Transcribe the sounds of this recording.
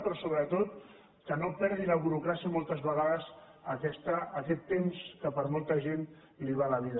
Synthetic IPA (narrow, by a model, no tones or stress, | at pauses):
pɾɔsoβɾət̪ot̪ | kənopɛɾðiləβuɾukɾasiəmolˠt̪əzβəɣaðəz | əkɛst̪əːkɛt̪ːemskəpəɾmolˠt̪əʒen | liβaləβ̞iðə